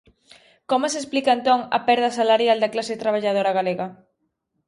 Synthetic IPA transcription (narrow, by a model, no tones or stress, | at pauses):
komʊsesplikɐent̪oŋɐ̰pɛɾðɐsalaɾjald̪ɐklaset̪ɾaβ̞aʎað̞oɾaɣ̞aleɣɐ